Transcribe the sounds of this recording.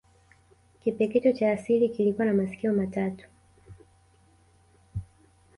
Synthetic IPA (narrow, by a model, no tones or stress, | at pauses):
kipɛkɛt͡ʃɔt͡ʃaːsilikilikuwanamasi̥kiɔmatatu̥